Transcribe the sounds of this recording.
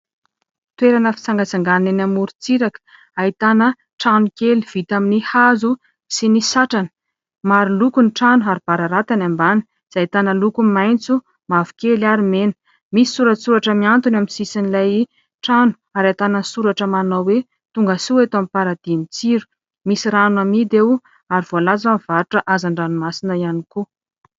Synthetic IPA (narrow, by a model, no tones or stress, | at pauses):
t̪weɾanəfi̥t͡saŋɡat͡saŋɡannenamuɾut͡siɾakə̥ | ait̪anə | ʈ͡ʂanukeliv̥it̪aminihazu | sinisaʈ͡ʂanə̥ | maɾulukuniʈ͡ʂanuaɾib̥aɾaɾat̪anambani̥ | z̥ait̪anəlukumajnt͡su | mavu̥kelaɾimenə̥ | misi̥suɾəsuɾaʈ͡ʂəmiant̪unamisisinilaj | ʈ͡ʂanu̥aɾat̪anansuɾaʈ͡ʂəmanawwe | t̪uŋɡəsuet̪oamipaɾad̪̥init͡siɾu̥ | misiɾanwamid̪ew | aɾivoalazamiv̥aɾuʈ͡ʂəʔazaɳɖ͡ʐanumasinəianiku